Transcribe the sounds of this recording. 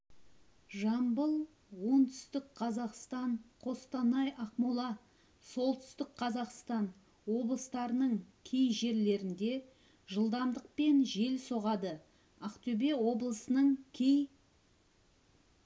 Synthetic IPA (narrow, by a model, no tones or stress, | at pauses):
ʒɑmbəlˠ | wo̞nt̪ʰʏ̥st̪ɪkqʰɑzɑqst̪ɑɴqʰo̞st̪ɑnɑjʔɑqmulˠɑ | so̞lˠt̪ʏ̥st̪ɪkqʰɑzɑqst̪ɑn | wo̞blˠəst̪ɑɾənəɴkʲʰejʒe̞ɾle̞ɾɪnd̪e̞ | ʒəlˠd̪ɑmd̪əq̚pe̞nʒe̞lso̞ʁɑd̪ə | ɑqt̪ɵbe̞wo̞blˠəsənəɴkʲʰej